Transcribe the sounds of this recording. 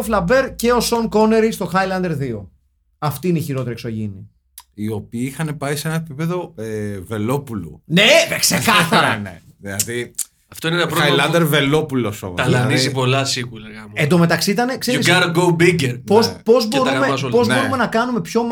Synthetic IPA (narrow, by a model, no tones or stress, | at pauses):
oflɐbe̞ɾce̞o̞so̞ŋko̞ne̞ɾist̪o̞xɐjlɐnd̪e̞ɾðio | ɐft̪iineiçiɾo̞t̪eɾikso̞ʝini | io̞piːixɐne̞pɐisee̞nɐepipe̞ðo̞eve̞lo̞pulṵneksekɐθɐɾɐnḛ | ðilɐði | ɐft̪oinenɐpɾoailɐnd̪eɾve̞lo̞puloso̰ɐlɐðniizipo̞lɐsikulɐɣɐmend̪o̞me̞t̪ɐksit̪ɐnekseɾisɐɾoɡobiɟeɾpospo̞zbo̞ɾumeɐspo̞znoɾuume̞nɐkɐnume̞pço̞m